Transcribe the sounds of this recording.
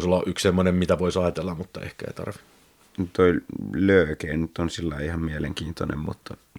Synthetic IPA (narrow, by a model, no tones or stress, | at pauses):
solːɑʔykssemːonemmit̪æʋoisɑˑjt̪elːɑmmut̪ːɑḛhkæḛit̪ɑ̰rʋi | nyt̪ːoilʲløˑːkeːnnyt̪ːonsilːɑiihɑmmieleŋkiːnt̪onḛmmṵt̪ːɑ